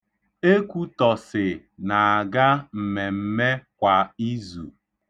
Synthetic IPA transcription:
e˦kʷu˦tɔ˨sɪ˨ | na˨a˨ɡa˦m̩˨me˨m̩˦me˦kʷa˨i˦zṵ˨

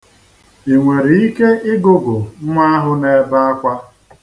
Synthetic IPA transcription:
i˨ŋʷe˨ɾi˨i˦ke˦ʔɪ˦ɡʊ˦ɡʊ˨˦ŋʷa˦a˦ɦʊ˦ne˨ba˦a˦kʷa˦

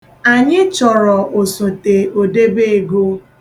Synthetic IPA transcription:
a˨ɲɪ˦t͡ʃɔ˨ɾɔ˨ʔo˨so˨te˨o˨de˦be˦e˨ɡo˦

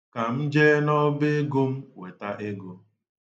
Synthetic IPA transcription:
ka˨m̩˦d͡ʒe˦nɔ˦be˦ɡo˦m̩˦we˨ta˦ʔe˦ɡo˦

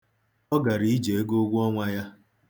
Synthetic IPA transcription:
ɔ˦ɡa˨ɾi˦d͡ʒe˨e˦ɡo˦ɡʷʊ˦ɔ˦ŋʷa˦ja˦

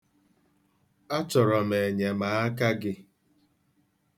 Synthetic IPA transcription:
a˦t͡ʃɔ˨ɾɔ˨me˨e˨ɲe˨maː˨a˦ka˦ɡɪ˦

